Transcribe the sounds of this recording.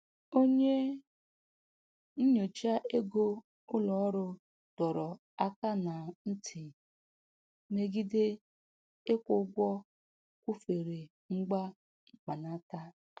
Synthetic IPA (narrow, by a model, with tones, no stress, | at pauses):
o˦ɲe˦ | n̩˦ɲo˨t͡ʃa˦ʔe˦ɡo˦ | ʊ˦lɔ˨ɔ˦ɾʊ˦ | d̥ɔ˨ɾɔ˨ | a˦ka˦na˨n̩˦tʰi˨ | me˦ɡi˦de˦ | e˦kʷʊ˦ɡʷɔ˦ | kʷu˦fe˨ɾe˨ | ŋ͡m̩˦ɡ͡ba˦ | ŋ͡m̩˦k͡pa˨na˦ta˦